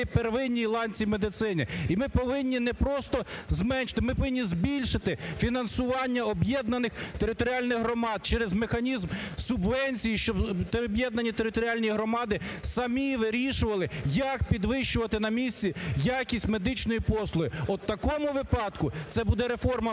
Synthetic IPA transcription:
perʋɪnʲːijlˠɑnʲt͡sʲimed̪ɪt̪sɪnɪimɪpɔʋɪnʲːinɛpɾɔst̪ɔzmɛnʲʃɪ̥t̪ɪmɪpɔʋɪnʲːizbʲilʲʃɪt̪ɪfʲinɐnsʊʋɑnʲːɐɔbjɛd̪nɐnɪxt̪eɾɪt̪ɔɾʲiɑlʲnɪɣɦɾɔmɑd̪̚t͡ʃɛɾezmexɐnʲizmsʊbʋɛnʲsʲijiʃt͡ʃɔbt̪bjɛd̪nɐnʲit̪eɾɪt̪ɔɾʲiɑlʲnʲijiɦɾɔmɑd̪ɪsɐmʲiʋɪɾʲiʃʊʋɐlˠɪjɐkpʲid̪ʋɪʃt͡ʃʊʋɐt̪ɪnɐmʲisʲt͡sʲijakʲisʲtʲmed̪ɪt͡ʃnɔjipɔslˠʊɦɪɔt̪ːɐkɔmʊʋɪpɑd̪kʊt̪sɛbud̪ɛɾefɔrmɐ

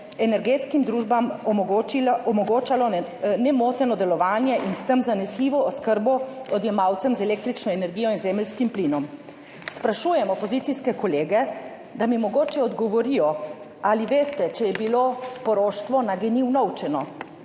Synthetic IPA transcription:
ɛnɛɾɡeːt̪skimd̪ɾuːʒbam | mɔɡoːt͡ʃalɔnɛmoːt̪ɛnɔd̪ɛlɔʋaːnjɛʔinst̪əmzanɛsliʋɔːskəɾbɔɔd̪jɛmaːwt̪sɛmzɛleːk̚t̪ɾit͡ʃnɔenɛɾɡijɔinzeːməlskimplinɔm | spɾaʃujɛmɔpɔzit̪siskɛkɔleːɡɛ | d̪amimɔɡoːt͡ʃɛɔd̪ɡɔʋɔɾijɔ | aliʋeːst̪ɛt͡ʃɛjɛbilopɔɾoːʃt̪ʋɔnaɡɛniwnɔwt͡ʃɛnɔ

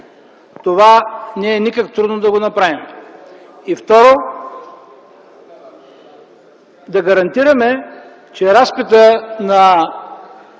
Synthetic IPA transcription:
t̪ovanɛːnikəkt̪ɾud̪nod̪ɐɡonɐpɾavim | ift̪ɔɾo | d̪ɐɡɐɾɐnt̪iɾɐmɛ | t͡ʃɛɾaspit̪ənɐ

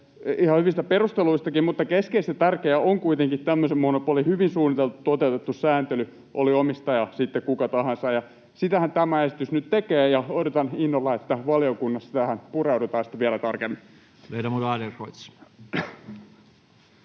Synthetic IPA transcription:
ihɑhyʋist̪æperust̪eluist̪ɑkimmut̪ːɑkeskeist̪et̪ærkeæoŋkuit̪eŋkitt̪æmːøsemmonopuolihyʋinsuːnːit̪elt̪ut̪ot̪eut̪et̪ːussæːnt̪ely | ʔoliomist̪ɑjɑsit̪ːekkukɑt̪ɑhɑnsɑjɑ | sit̪æhænt̪æmæesit̪ysnyt̪t̪ekeːjɑodot̪ɑninːolːɑet̪ːæʋɑliokunːɑssit̪æhænpureudet̪ɑːsi̥t̪ʋiælæt̪ɑrkemːi | leidæmudɑːlerroit̪s

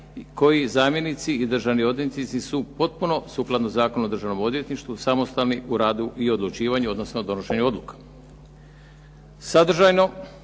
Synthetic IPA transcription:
ko̞jizaːmje̞nit̪siːd̪r̩ʒaʋnio̞d̪jet̪it̪nisisupo̞t̪̚puno̞suːklˠad̪nozaːko̞nuo̞d̪r̩ʒaʋno̞mo̞d̪je̞t̪niʃt̪ʋusamo̞st̪alniʔuɾaːd̪uʔio̞d̪lˠut͡ʃiːʋaɲuo̞d̪no̞snood̪o̞noʃe̞ɲuo̞d̪lukḁ | sad̪r̩ʒajno̞

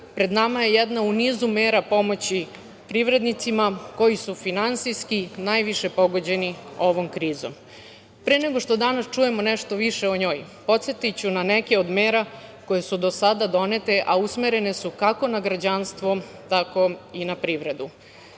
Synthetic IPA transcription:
pɾe̞d̪namaje̞jɛd̪nauniːzumeːɾapo̞mo̞t͡ɕi | pɾiʋɾe̞d̪nit̪simako̞jisufinansijskinajʋiʃepo̞ɡo̞d͡ʑe̞nio̞ʋo̞mkɾiːzo̰m | pɾeneɡo̞ʂt̪o̞d̪anast͡ʃuje̞moneʃt̪o̞ʋiʃeoɲo̞ːj | po̞t̪set̪it͡ɕunanekeod̪meːɾako̞je̞sud̪o̞sad̪ad̪o̞net̪e̞ʔausme̞ɾe̞ne̞sukakonaɡɾad͡ʑanst̪ʋo̞ | t̪ako̞inapɾiʋɾe̞d̪u

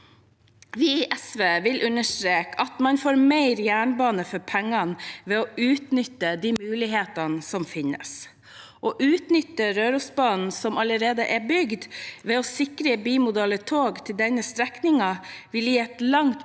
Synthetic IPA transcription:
ʋɪɪʔɛsʋeːʋɪlʔʉnəʂʈɾeːkʰɑt̪mɑnfoːɾmeɪɾjæːɳbɑːnəfɔɾpʰæŋːɑnʋɛɔʉːt̪nʏt̪ːəd̪iːmʉːlɪɦeːt̪ɑnsɔmfɪnːə̰s | ʔɔːʔʉːt̪nʏt̪ːəɾøːɾʊsbɑːnn̩sɔmɑləɾeːd̪əʔɛbʏɡd̪ʋɛɔsɪkɾəbiːmʊd̪ɛlət̪ʰoːɡt̪ʰɪld̪ɛnəst̪ɾɛknɪŋɑʋɪljiːɛt̪lɑŋt̪

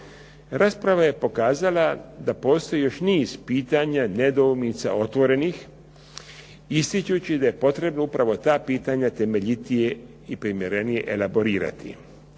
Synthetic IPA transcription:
ɾʔaːspɾaʋaje̞po̞kaːzalad̪apo̞ːst̪o̞jijo̞ʃniːz̥piːt̪aɲane̞d̪oumnit̪sa̰o̞t̪ʋo̞ɾe̞nix | ist̪it͡ʃut͡ɕid̪aje̞po̞t̪ɾe̞bno̞upɾaʋo̞t̪aːpiːt̪aɲat̪e̞me̞ʎit̪ije̞ | ipɾimjeɾe̞nije̞̰ʔelabo̞ɾiːɾa̰t̪ḭ

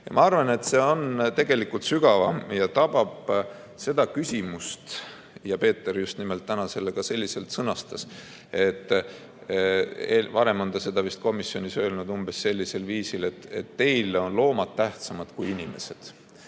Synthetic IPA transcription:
jɑ̰mɑɑrvɑne̞t̪se̞ːo̞nt̪e̞ɡ̥e̞likːˑult̪syɡ̥ɑvɑmjɑt̪ɑb̥ɑb̥ | se̞d̪̥ɑkysʲimust̪ | jɑpe̞ːt̪ːˑeɾjust̪nimelt̪ːænɑse̞lːeɡ̥ɑse̞lʲːise̞lt̪sɤnɑst̪ɑs | e̞t̪ːˑ | ḛvɑɾe̞mo̞nd̪ɑse̞d̪̥ɑvist̪̚ko̞misːjo̞nisøːlnud̪̥umb̥e̞sːe̞lʲːise̞lviːsile̞t̪ːe̞t̪ːe̞jlo̞nlo̞ːmɑd̪̥t̪æht̪sɑmɑd̪̥kujinime̞̰se̞d̪̥

